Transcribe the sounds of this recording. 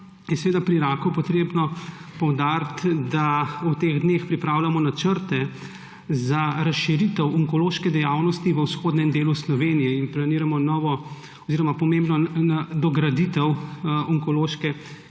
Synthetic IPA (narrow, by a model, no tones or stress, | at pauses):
jɛsɛʋeːd̪apɾiiɾaːkupɔt̪ɾeːbnɔpɔwd̪aɾt̪d̪aut̪eɣd̪neːxpɾipɾaːwlamɔnat͡ʃəɾt̪ɛ | zaɾasʃiɾit̪əwuŋkɔloːʃkɛd̪ɛjawnɔst̪iʋəwsxoːd̪nɛmd̪eːluslɔʋeːnijɛinplaniːɾamɔnɔːʋɔ | ɔziːɾɔmapɔmembnɔnad̪ɔɡɾad̪it̪ɛwuŋkɔloːʃkɛ